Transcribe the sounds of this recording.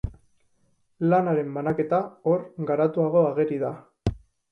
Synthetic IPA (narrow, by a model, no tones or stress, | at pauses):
lanaɾe̞mbanake̞t̪ao̞ɾɡaɾat̪uaɣ̞o̞aɣe̞ɾiða